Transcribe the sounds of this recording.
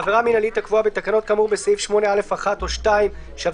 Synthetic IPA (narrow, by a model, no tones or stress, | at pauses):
aveʁaminalit̪akvuabet̪akano̞t̪̚kamuʁbeseifʃmo̞neale̞faχatoʃtaim | ʃav